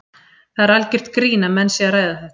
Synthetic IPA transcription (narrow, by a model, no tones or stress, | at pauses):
θaðɛɾalcɪr̥t̪kɾiːnamɛnsjɛaɾaːjðaθɛht̪